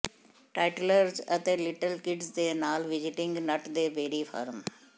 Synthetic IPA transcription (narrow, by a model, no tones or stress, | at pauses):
ʈaːɪʈləɾzɐt̪ẽːlɪʈəlkɪɖzd̪eːnaːlʋɪd͡ʒɪʈɪ̃ŋɡnɐʈd̪eːbʱeːɾifʰa̰ːɾm